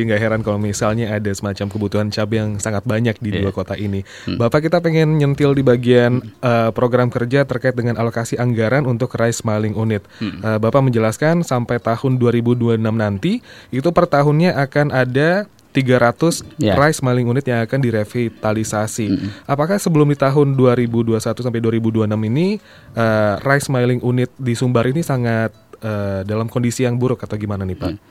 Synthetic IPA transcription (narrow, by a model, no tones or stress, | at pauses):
iŋɡaɦeɾankalomisalɲaːdasəmat͡ʃamkəbut̪uɦant͡ʃabjaŋsaŋat̪̚baɲak̚diduakot̪aʔini | bapakit̪apeŋɛnɲənt̪ɪldibaɡianəpɾoɡɾamkərd͡ʒat̪ərkaɪt̪̚dəŋanalokasiʔaŋɡaɾanunt̪ʊkraɪsmalɪŋunɪt̪̚əbapaməɲd͡ʒəlaskansampajt̪ahʊnduaɾibuduanamnant̪iit̪upərt̪aɦʊnɲaʔakanada | t̪iɡaɾat̪ʊsrajsmalɪŋunɪt̪jaŋakandiɾefit̪alisasiʔapakahsəbəlʊmdit̪aɦʊnduaɾibuduasat̪usampajduaɾibuduanamini | ʔərajsmailɪŋʔunɪt̪̚disumbaɾinisaŋat̪̚əːdalamkɔndisijaŋbuɾʊkat̪awɡimananihpa̰